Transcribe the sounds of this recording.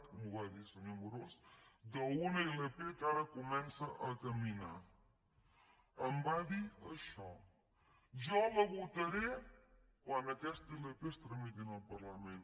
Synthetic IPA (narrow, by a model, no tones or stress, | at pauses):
kumuβaðisənomuɾosd̪əunəilepekaɾəkumɛnsəʔɐkəmina | əmbaðiəʃɔ | ʒɔləβut̪əɾekwand̪ɐkɛst̪ilepest̪ɾəmit̪̬inəlpəɾləmẽn